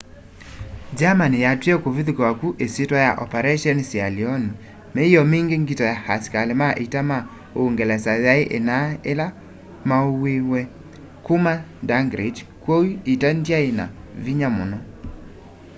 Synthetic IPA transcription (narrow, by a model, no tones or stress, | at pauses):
d͡ʒamanɪjatwɛkoviðikawakuʔesetwajaʔɔpɛɾɛʃɔnsjaliɔn | mejɔmeŋɡeŋɡitɔjahaskalemaʔitama | oŋɡɛlɛsaðaeʔenaela | maowewɛ | kumadaŋɡɾed͡ʒ | kwoiitandjaena̰ | viɲamʊ̰nɔ